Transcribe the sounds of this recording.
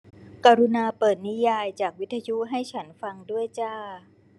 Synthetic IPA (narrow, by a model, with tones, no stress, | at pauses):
kaː˧ɾu˧naː˧pɤː˨˩t̪̚ni˦˥jaː˧jt͡ɕaː˨˩k̚wi˦˥t̪ʰa˧ju˦˥ʔɦa˥˩jt͡ɕʰa˦˥nfa˧ŋdu˥˩əjt͡ɕaː˥˩